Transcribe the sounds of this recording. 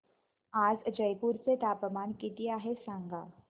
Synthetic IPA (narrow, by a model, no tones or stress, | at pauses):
aːzd͡ʒɐjpuɾset̪aːpmaːnkɪt̪ijaɦɛsãŋɡaː